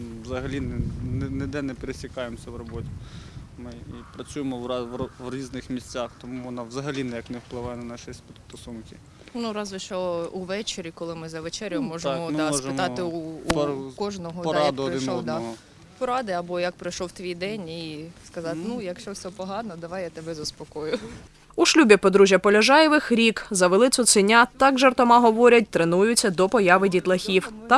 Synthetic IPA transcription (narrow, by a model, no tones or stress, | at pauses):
ʋzɐɦɐlʲinɛnnɛd̪ɛnɛpeɾesʲikɑjemsʲɐwrɔbɔt̪ʲi̥mɪipɾɐt͡sʲujemɔʋʋɔʋɾʲiznɪxmʲisʲt͡sʲaxt̪ɔmuʋɔnɑʋzɐɦɐlʲinɛjɐknɛwplˠɪʋɑjɛnɐnɑʃisʲpʲit̪st̪ɔsunkɪ | nuɾɑzʊʃt͡ʃɔuʋɛt͡ʃeɾʲikɔlˠɪmɪzɐʋet͡ʃɛɾʲjʊmɔʒmɔasʒɪmt̪ɑɪuː | kɔʒnɔɦɔd̪ɔd̪ | pɔɾɑd̪ɪɐbɔjɐk̚pɾɐjʃɔwt̪ʋʲijd̪ɛnʲiskɐzɑt̪nujɐkʃt͡ʃɔwsʲɛpɔɦɑnɔd̪ɐʋɑjat̪ebɛzɐspɔkɔjʊ | uʃlʲubʲipɔd̪ɾuʒʲjɐpɔlʲɐʒɑjɛʋɪxɾʲikzɐʋelˠɪt̪sʊt̪sɪnʲat̪ɑkʒert̪ɔmɑɦɔʋɔɾʲɐt̚ʲt̪ɾenujʊt͡sʲːɐd̪ɔpɔjɑʋɪdʲit̪lˠɐxʲiwt̪ɑ